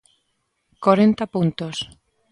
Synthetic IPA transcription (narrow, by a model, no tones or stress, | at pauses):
koɾent̪apunt̪os